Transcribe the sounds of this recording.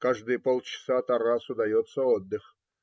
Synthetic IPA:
kaʐd̪ɨjpolˠt͡ɕɪ̥sat̪ɐrasʊd̪ɐjot̪səɔd̪ːɨx

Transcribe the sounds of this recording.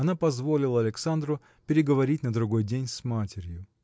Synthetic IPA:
ɐnapɐzvo̞lʲɪlˠəɐlʲɪksand̪ɾʊ | pʲɪɾʲɪɡəvɐɾʲitʲnəd̪ɾʊɡo̞jdʲenʲsmatʲɪɾʲjʊ

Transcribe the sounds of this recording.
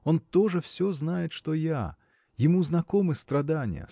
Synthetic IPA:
ont̪oʐɨfsʲoznajɪt̪ʂt̪oja | jɪmuznɐkomɨst̪ɾɐd̪anʲɪ̰jə̰

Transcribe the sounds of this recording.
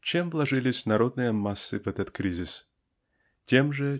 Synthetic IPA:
t͡ɕemvlˠɐʐɨlʲɪsʲnɐɾo̞d̪nɨjəmasːɨvɛt̪ət̪kɾʲizʲɪs | tʲemʐɨ

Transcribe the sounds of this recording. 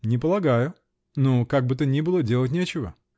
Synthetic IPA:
nʲɪpəlˠɐɡajʊ | nokaɡ̚bɨt̪ənʲibɨlˠədʲe̞lˠət̬̚ʲnʲet͡ɕɪvə̰

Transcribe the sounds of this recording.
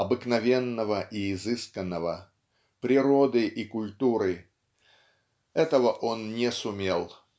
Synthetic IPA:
ɐbɨknɐvʲenːəvəʔiːzɨskənːəvə | pɾʲɪɾo̞d̪ɨʔikʊlʲt̪uɾɨ | ɛt̪əvəʔonnʲɪsʊmʲelˠ

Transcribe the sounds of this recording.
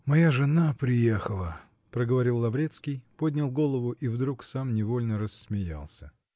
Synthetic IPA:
mɐjaʐɨnapɾʲɪjexəlˠə | pɾəɡəvɐɾʲilˠːɐbɾʲe̞t̪skʲɪjpo̞dʲnʲɪlˠɡo̞lˠəvʊʔivd̪ɾuksamnʲɪvo̞lʲnəɾəsmʲɪja̰lˠsʲə

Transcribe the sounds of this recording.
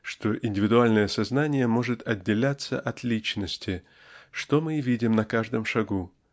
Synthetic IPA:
ʂt̪o̞ʔɪnʲdʲɪvʲɪd̪ʊalʲnəjəsɐznanʲɪjəmo̞ʐɨt̪ʰɐdʲːɪlʲat̪sːə̰ʔɐt̪lʲit͡ɕnəsʲtʲɪ | ʂt̪o̞mɨvʲidʲɪmnɐkaʐd̪ɨmʂɐɡu

